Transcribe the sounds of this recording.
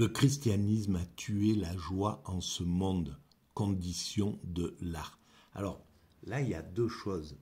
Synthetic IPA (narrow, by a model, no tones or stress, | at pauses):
ləkχist̪janismat̪ʰyelaʒwaɑ̃səmɔ̃d̪ | kɔ̃d̪isjɔ̃d̪əlaʁ | a̰lɔʁ | lailja̰d̪øʃɔz